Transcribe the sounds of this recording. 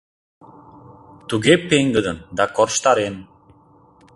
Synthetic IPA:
t̪uɡepeŋɡəd̪ənd̪ɑkorʃt̪ɑɾen

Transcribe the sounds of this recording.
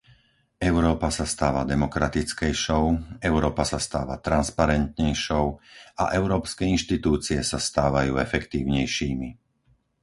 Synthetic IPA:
ɛʊɾɔːpasast̪aːʋad̪ɛmɔkɾat̪it͡skɛjʃɔʊɛʊɾɔːpasast̪aːʋa̰t̪ɾanspaɾɛnt̪ɲɛjʃɔʊa̰ʔɛʊɾɔːpskɛinʃt̪it̪uːt͡siɛsast̪aːʋajuːɛfɛkt̪iːʊɲɛjʃiːmi

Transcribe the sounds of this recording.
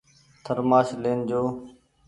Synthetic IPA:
t̪ʰəɾmaːʃleːnd͡ʒoː

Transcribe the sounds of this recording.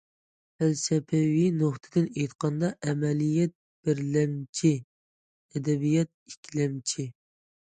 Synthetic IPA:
fælsɛpʰɛwinoχt̪ʰɨd̪ɪnejt̪qɑnd̪ɑʔɛmɛlijɛt̪̚ | b̥ɪɾlɛmt͡ʃʰi | ɛd̪ɛbijɛt̪̚ikʲʰlɛmt͡ʃʰi

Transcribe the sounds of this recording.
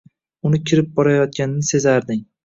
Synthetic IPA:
ʊnɪkʲʰɪɾɪp̚bɒɾajɒt̪̚ɡʲanɪnɪse̞zaɾd̪ɪŋ

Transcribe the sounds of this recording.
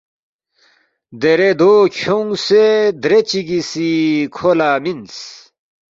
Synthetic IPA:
d̪eɾed̪oːkʰoŋsed̪ɾet͡ɕiɡisikʰolaːmins

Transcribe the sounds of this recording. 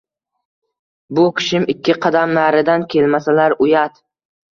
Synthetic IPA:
bʊkʲʰɪ̥ʃɪmɪkʲʰːɪqʰɑd̪amlaɾɪd̪ankʲʰe̞lmasalaɾʊjat̪

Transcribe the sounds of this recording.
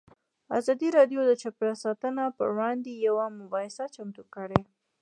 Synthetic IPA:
a̰zɑd̪iɾɑɖjod̪ət͡ʃapjɑsɑt̪ənapə̰wɑnd̪ejawamʊbɑhɪsat͡ʃamt̪ukəɽe

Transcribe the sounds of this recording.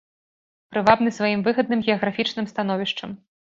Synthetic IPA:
pɾɨvabnɨsvajimvɨɣɐd̪̚nɨmɣʲɛɐɣɾafʲit͡ʂnɨmst̪an̪ɔvʲiʂt͡ʂɐ̰m

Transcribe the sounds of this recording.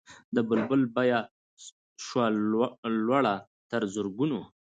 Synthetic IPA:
d̪əbəlbəlbaja | ʃwa | lwaɽa | t̪əɾzʊɾɡuno

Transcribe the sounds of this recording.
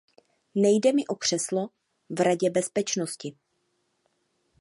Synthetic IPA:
nɛjdɛmɪʔokr̝̥ɛslo | vɾaɟɛbɛspɛt͡ʃnoscɪ

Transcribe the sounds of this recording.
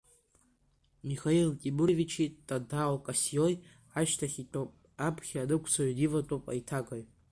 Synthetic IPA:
mixailtʲʼibuɾevit͡ʃʰitʼadawkʼasijoj | aʃtʰaχʲiʈ͡ʂʼopʼ | apʰχʲanɨkʷʰsʰodivatʼopʼa̰jtʰaɡʼaj

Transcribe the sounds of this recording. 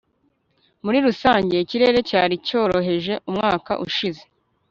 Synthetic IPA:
muɾiɾusaːɲɟe̞ciɾe̞ːɾe̞caːɾico̞ːɾo̞ɦe̞ʒe̞ʔumŋaːka̰ʔuʃize̞

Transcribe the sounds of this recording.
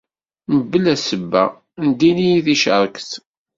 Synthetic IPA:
məbːəlæsəbːæ̰ | nd̪inijiθiʃəɾˤkθ

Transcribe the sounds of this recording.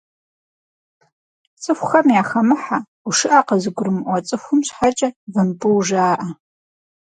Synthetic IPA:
t͡sʼɨxʷxɐmjaːxɐmɨħa | ʊʂɨʔaqɐzɨɡʷʊɾɨmɨʔʷɔt͡sʼɨxʷʊmɕħat͡ʃʼɐvɨnpɨwʒaːʔɐ

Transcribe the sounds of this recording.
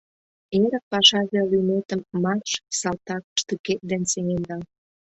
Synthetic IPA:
eɾək̚pɑʃɑʒelynet̪əmːɑrʃsɑlt̪ɑkʃt̪yket̪̚d̪enseŋend̪ɑ

